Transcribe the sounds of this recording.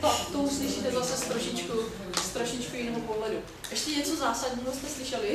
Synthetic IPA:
t̪ot̪owslɪʃit̪ɛzasɛst̪ɾoʃɪt͡ʃku | st̪ɾoʃɪt͡ʃkujɪnɛɦopoɦlɛdu | ʔɛʃcɛɲɛt͡sozaːsadɟɲiːɦost̪ɛslɪʃɛlɪ

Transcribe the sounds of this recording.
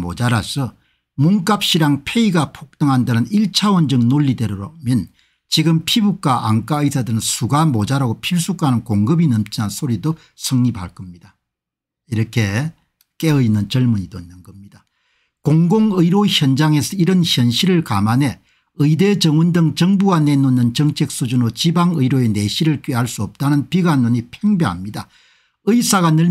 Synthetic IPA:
mo̰d͡ʑaɾasʰʌ | muŋk͈ap̚ɕ͈iɾaŋpʰe̞iɡapʰok̚t̪͈ɯŋɦandanɯniɭt͡ɕʰawʌnd͡ʑɯŋnoʎːideɾɯɾomjʌn | t͡ɕiɡɯmpʰibuk͈aʔaŋk͈aɯisʰadɯnɯnsʰuɡamod͡ʑaɾaɡopʰiɭs͈uk͈anɯnkoŋɡɯbinʌmt͡ɕ͈ʰinansʰoɾido | sʰɯŋɲipʰaɭk͈ʌmɲida | iɾʌkʰe̞ | k͈eɯinːɯnt͡ɕʌɭmuɲidoinːɯnɡʌmɲida | koŋɡoŋɯiɾoçjʌnd͡ʑaŋe̞sʰʌiɾɯnçjʌnɕʰiɾɯɭkamane̞ | ɯide̞t͡ɕʌŋwondɯŋt͡ɕʌŋbuɡanenonːɯnt͡ɕʌŋt͡ɕʰe̞k̚s͈ud͡ʑunot͡ɕibaŋɯiɾoene̞ɕʰiɾɯɭkɥiɦaɭs͈uʌp̚t͈anɯnpiɡanoɲipʰeŋbjeɦa̰mɲida | ɯisaɣanɯ

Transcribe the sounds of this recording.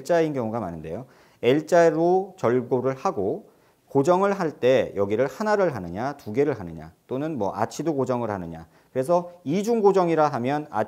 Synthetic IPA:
t͡ɕ͈ainkjʌŋuɡama̰nɯnde̞̰jo | e̞ɭt͡ɕ͈aeɾot͡ɕʌɭɡoɾɯɭhaɡo | kod͡ʑʌŋɯɭɦaɭt͈e̞jʌɡiɾɯɭhanaɾɯɭɦanɯɲatuɡe̞ɾɯɭɦanɯɲa̰t͈onɯnmwʌ̰ʔa̰t͡ɕʰidokod͡ʑʌŋɯɭɦanɯɲa̰ | kɯɾe̞sʰʌid͡ʑuŋɡod͡ʑʌŋiɾaɦamjʌna̰

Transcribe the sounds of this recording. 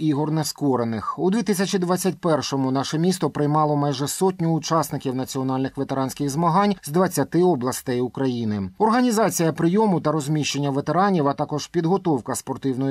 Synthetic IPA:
iɦɔrnɛskɔɾenɪxud̪ʲʋʲit̪ɪsʲɐt͡ʃid̪ʋat͡sʲːɐtʲpɛrʃɔmʊnɑʃɛmʲist̪ɔpɾɪjmɑlˠɔmɑjʒɛsɔtʲnʲʊːt͡ʃɑsnɪkʲiwnɐt͡sʲiɔnɑlʲnɪxʋet̪eɾɑnsʲkɪɣzmɐɦɑnʲzd̪ʋɐt͡sʲːɐt̪ɪɔblˠɐst̪ɛjʊkɾɐjinɪɔrɦɐnʲizɑt͡sʲijɐpɾɪjɔmʊt̪ɐɾɔzʲmʲiʃt͡ʃe̞nʲːɐʋet̪eɾɑnʲiʋɐt̪ɑkɔʒ̥pʲid̪ɦɔt̪ɔwkɐspɔrt̪ɪwnɔj

